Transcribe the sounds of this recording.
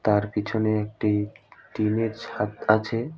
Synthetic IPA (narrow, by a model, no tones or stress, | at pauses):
t̪aɾpit͡ɕʰoneek̚ʈiʈined͡ʑhat̪at͡ɕʰe